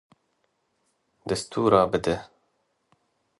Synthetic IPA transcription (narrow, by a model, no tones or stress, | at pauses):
d̪ɨst̪uːɾɑːbɨd̪ɛ